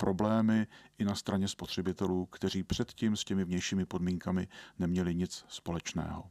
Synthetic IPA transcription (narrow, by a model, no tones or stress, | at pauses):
pɾʔo̞blɛːmɪʔɪnast̪ɾaɲɛspo̞t̪r̝̥ɛbɪt̪ɛluːkt̪ɛr̝iːpr̝̥ɛt̪cimscɛmɪvɲɛjʃiːmɪpo̞dmiːŋkamɪnɛmɲɛlɪɲɪt͡sspo̞lɛt͡ʃnɛ̰ːɦo̞̰